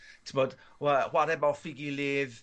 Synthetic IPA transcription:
tʰɪmɔd̥ | wəhwaɾɛbɔfɪɡilɪːð

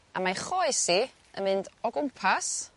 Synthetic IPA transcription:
amaχoɨsi | ə̰nmɨndɔɡʊmpʰas

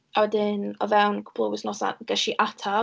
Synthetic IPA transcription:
awɛdɪnɔvɛwnkʰʊ̥pʰlˠɔwɪsnɔsa̰ɡ̥ɛʃiʔatʰa

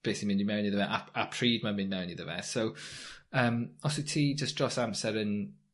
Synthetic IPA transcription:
b̥esimɪ̃ninmɛwniðəvɛʔa̰apʰɹ̥iːdmamɪ̃nmɛwniðəvɛ̰sowəːmɔsitʰiːd͡ʒəsd̥ɹɔsamsɛɾən

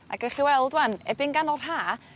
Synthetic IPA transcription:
a̰ɡɔχiwɛlˠdwanɛbɪnɡanɔr̥ɦaː

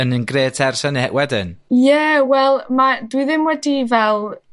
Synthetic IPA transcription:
ənənɡreːtʰɛrsɛniɛʔwɛdɪnjəwɛlˠmadwiðɪmwɛdivɛlˠ

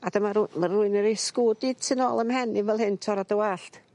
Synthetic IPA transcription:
adəmaɾmaruɨnəɾeskudɪd̥sɪnoːlˠəmhɛnivɛlˠɦhɨntʰɔɾadəwaɬt

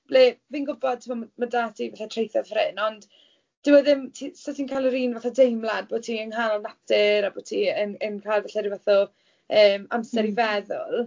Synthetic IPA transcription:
bleviːnɡʊbɔd̚tʰɪmɔmadaːtʰivaθatʰr̥ejθɔð̥frɪnɔnd̥ | d̥ɪwəðɪmtʰisɔtʰinkʰalˠəɾiːnvaθɔdejmlˠad̚boːtʰiəŋhalˠnap̚tɪɾaboːtʰiənənkʰajlˠvaɬaɾivaθɔ | əːmamsɛɾivɛðʊ̰lˠ

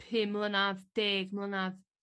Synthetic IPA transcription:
hɪmlˠənavd̥eːɡmlˠənav

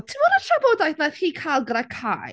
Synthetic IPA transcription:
tʰimɔɾatʰɔbɔdajθnaθhiːkʰalˠɡəɾakʰaːj

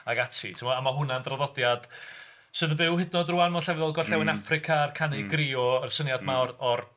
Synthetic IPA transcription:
aɡatʰitʰɪmɔamaɦʊnandrɔðɔdjad̥ | sɨðəbɨwhɪdnɔdruanmɔɬɛvðɔlˠɡɔrɬɛwɪnafrɪkʰaːrkʰanɪɡriːɔərsənjadmawrɔr

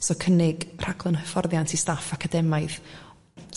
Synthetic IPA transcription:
sɔkʰənɪɡr̥aɡlˠənhəfɔrðjantʰistafakʰadɛmaɨð

